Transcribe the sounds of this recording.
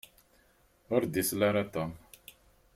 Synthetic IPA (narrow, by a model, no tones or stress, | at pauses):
ɔɾd̪islaɾat̪am